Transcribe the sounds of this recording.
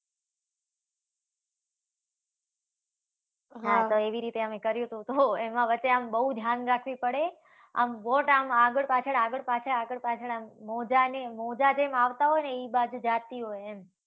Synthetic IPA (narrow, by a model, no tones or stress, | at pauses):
ɦãt̪oeʋiɾit̪eəmekəɾjũt̪ʰũt̪oemãʋət͡ʃːeambəɦud̪ʱjanɾakʰʋipəɽe | a̰mʋoʈamaɡəɭpat͡ʃʰəɽaɡəɭpat͡ʃʰəaɡəɭpat͡ʃʰəɽamːɔd͡ʒanemɔd͡ʒad͡ʒemaʋt̪aɦɔjneibad͡ʒud͡ʒat̪iɦojem